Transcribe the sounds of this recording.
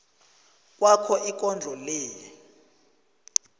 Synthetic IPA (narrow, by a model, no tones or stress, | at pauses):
k̬ʼwakʰɔʔik̬ʼɔnd͡ɮʱɔlɛː